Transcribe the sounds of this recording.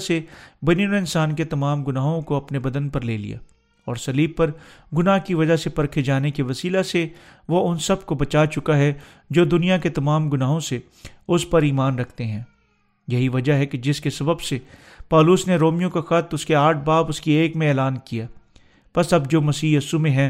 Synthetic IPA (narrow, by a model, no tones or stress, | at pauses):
sebɐniɔɾɪ̃nsaːnket̪ɐmaːmɡʊnaːɦõkoɐpnebɐd̪ənpɐɾleːlḭja̰ː | ɔːɾsɐliːb̚pːɐɾɡʊnaɦkiʋɐd͡ʒasepɐɾkʰed͡ʒaːnekiʋɐsiːlase | ʋoʊnsɐb̚kobɐt͡ʃaːt͡ʃʊkaɦɛ | d͡ʒoːd̪ʊnijaket̪ɐmaːmɡʊnaːɦõse | ʊspɐɾiːmaːnɾɐkʰt̪eɦɛ̃ː | jɐɦiʋɐd͡ʒaɦɛked͡ʒɪskesɐbəbse | pɔːlʊsneɾoːmijõkaxɐt̪ʊskeaːʈ̚ʰbaːbʊskieːkmẽɛːlaːnkijaː | pɐsɐbd͡ʒoːmɐsiːɐsumẽɦɛ̃ː